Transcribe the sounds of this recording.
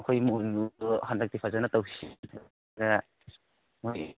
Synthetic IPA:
kʰojmuuhandak̚dipʰazanatawisia | ɡa | moj

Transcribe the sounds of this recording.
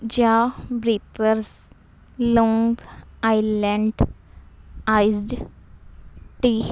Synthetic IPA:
d͡ʑjabɾit̪əɾs | lɔ̃ŋɡɡajlə̃ɳɖ | ajzɖ | ʈi

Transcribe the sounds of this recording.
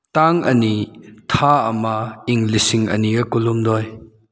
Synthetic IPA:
taŋʔɐ̰nitʰaɐmɐiŋlisiŋɐ̰niɡɐkulumdɔj

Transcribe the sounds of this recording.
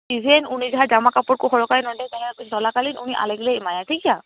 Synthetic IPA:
izɛnunizaɦazamakapɔɹkʊxɔɹɔkaɹinɔtɛtaapisɔlakalinṵniʔa̰lɛɡlɛimajatʰikija

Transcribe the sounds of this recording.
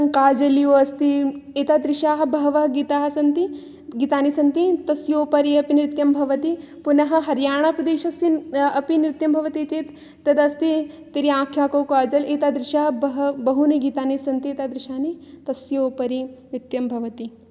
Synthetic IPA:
ŋkaːd͡ʒɐlijoːɐst̪iet̪aːd̪ɾɪʃaːɦɐ̆bɐɦɐʋɐɦɐɡiːt̪aːɦɐ̆sɐnt̪i | ɡiːt̪aːnisɐnt̪it̪ɐsjoːpɐɾiɐpinɾɪt̪jɐmbʱɐʋɐt̪i | punɐɦɐ̆ɦɐɾjaːɳ̃aːpɾɐd̪eːʃɐsinɐpinɾɪt̪jɐmbʱɐʋɐt̪it͡ʃeːt̪ː | ɐd̪ɐst̪i | t̪iɾiãːkʰjaːkoːkaːd͡ʒɐleːt̪aːd̪ɾɪʃaːɦɐbɐɦbɐɦuniɡiːt̪aːnisɐnt̪ieːt̪aːd̪ɾɪʃaːnit̪ɐsjoːpɐɾinɾɪt̪jɐmbʱɐʋɐt̪i

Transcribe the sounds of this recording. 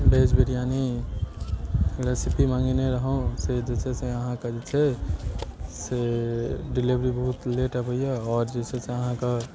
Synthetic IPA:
bed͡ʒbiɾijani | ɾesipimãŋɡeneɾəɦõsed͡ʒet͡ʃʰeseəɦãkad͡ʒet͡ʃʰe | se | ɖilibɾibəɦut̪leʈəbəijaɔːɾd͡ʒet͡ʃʰeseəɦãka

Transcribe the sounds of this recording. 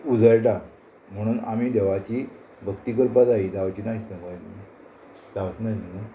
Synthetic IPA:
ud͡zəjʈa | m̤əɽ̃uːnamiːd̪eʋat͡ɕiː | bʱəkt̪ikəɾpad͡zaid͡zaʋt͡ɕinaɕt̪akaj | d͡zaʋət͡snaina

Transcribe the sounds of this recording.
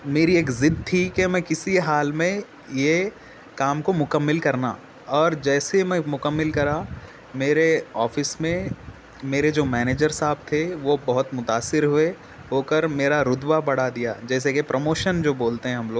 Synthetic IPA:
meːɾieːkzɪd̪̚t̪ʰikemɛ̃kɪsiɦaːlmẽ | je | kaːmkomʊkəmːɪlkɐɾna̰ː | ɔːɾd͡ʒɛːsemɛ̃mʊkəmːɪlkɐɾa | meːɾeɔːfɪsmẽ | meːɾed͡ʒoːmɛːneːd͡ʒəɾsaːb̚t̪ʰeʋobɐɦʊt̪mʊt̪aːsːɪɾɦʊe | ɦoːkəɾmeːɾaɾʊd̪ʋabɐɽ̤ad̪ija̰ːd͡ʒɛːs̬ekepɾʔomoːʃənd͡ʒoːboːlt̪eɦɛ̃ɦɐmloːɡ

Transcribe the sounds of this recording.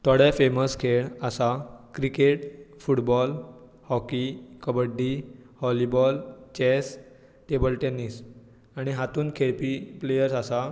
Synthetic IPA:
t̪ʰɔɽafeməskʰeɭəsakɾikeʈfuʈbɔl | hɔkikəbəɖːihɔlibɔlt͡ɕes | t̪ebəlʈenis | aɽ̃iɦat̪uːnkʰeɭpiplejəɾsasa

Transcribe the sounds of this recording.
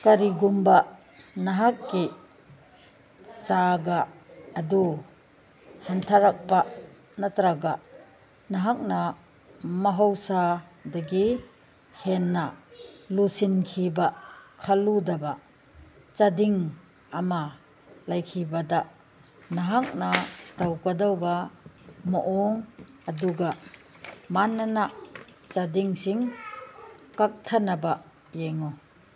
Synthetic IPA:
kaɾiɡumba | naɦakːi | t͡ʃaɡaːd̪u | hant̪ʰaɾak̚pa | nat̪ɾaɡa | nɐɦak̚na | mɐɦɔwsad̪eɡi | henːalusinkʰibakʰalud̪ɐbaʔ | t͡sad̪iŋ | ama | lajkʰibad̪aʔ | nɐɦak̚nat̪awkad̪awba | mɔʔɔŋ | aduɡ̬aʔ | manːanaʔt͡sadiŋsiŋ | kak̚t̪ʰanabaʔ | jɛŋɔ

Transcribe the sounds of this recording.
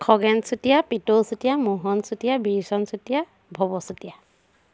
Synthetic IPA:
kʰɔɡɛnsutijapitolsutijamuɦɔnsutijabisɔnsutija | bʱɔbɔsutija

